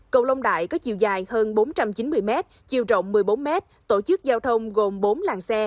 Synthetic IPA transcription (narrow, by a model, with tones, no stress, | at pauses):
kə˨˩wlə˧wŋ͡mɗa̰ː˧˨jkɔ˨˦t͡ɕḭ˧˨wzaː˨˩jhəː˧nɓo˨˦nt͡ɕa˧mt͡ɕi˨˦nmɨ˧əjmɛ˦˥t̚ | t͡ɕi˧˩əwt͡ɕə̰˧˨wŋ͡mːɨ˨˩əjɓo˨˦nmɛ˦˥t̚t̪o˧˩t͡ɕɨ˦˥k̚zaː˧wt̪ʰə˧wŋ͡mɣo˨˩mɓo˨˦nlaː˨˩ŋsɛ˧